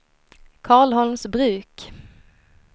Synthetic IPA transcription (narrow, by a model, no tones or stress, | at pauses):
kʰɑːɭɦɔlmsbɾʉ̟ːk